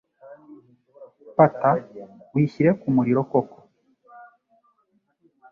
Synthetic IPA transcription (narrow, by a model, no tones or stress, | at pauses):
patawiʃiɾekumuɾiɾokoko̥